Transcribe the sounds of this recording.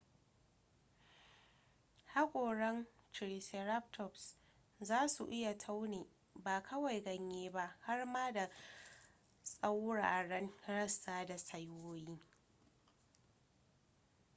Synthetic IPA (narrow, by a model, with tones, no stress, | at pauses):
ha˦kʷʼoː˨ɽɛ˦nt͡ʃɪ˨ɾi˨se˨ɾa˦p̚tʰɔ˨ps | zaː˦su˨ʔɪ˦ja˨tʰa˦wneː˨ | baː˨kʰɐ˦wa˨jɡɐ˦ɲjeː˦ba˦ha˦rmaː˦da˨ | sʼa˦wɽaː˨ɽɐ˦nɽɐ˦sːaː˦da˨sɐ˦jwoː˦jiː˦